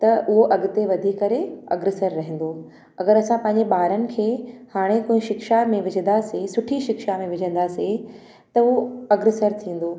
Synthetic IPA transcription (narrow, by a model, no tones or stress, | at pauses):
t̪ɐʔʊɦoʔɐɡɪt̪eʋɐd̪ʱikːɐɾeɐ̰ɡɾɪsəɾːɐɦɪ̃n̆d̪o | ɐɡəɾɐsãpɐ̃ɦɪ̃ɲ̆d͡ʑeɓaːɾənɪ̆kʰeːhaːɽ̃ekoːɦɪ̃ʃɪkʃamẽʋɪd͡ʑʱə̃nd̪asesʊʈʰiʃɪkʃamẽʋɪd͡ʑʱə̃nd̪ase | t̪ɐɦoɐɡɾɪsəɾt̪ʰĩːn̆d̪oː